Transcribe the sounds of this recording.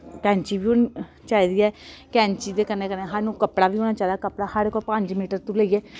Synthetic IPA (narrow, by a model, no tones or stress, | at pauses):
kɛ̃ːɲt͡ʃiːbiːɦoːn | t͡ʃaːiːd̪iːɛːkɛ̃ːɲt͡ʃiːd̪eːkənẽːkəneɦanũːkəpɽaːʋiːɦoːnaːt͡ʃaːiːd̪aːkəpɽaːhəɾkɔpə̃ɲd͡ʒmiːʈəɾt̪ũləiːɛː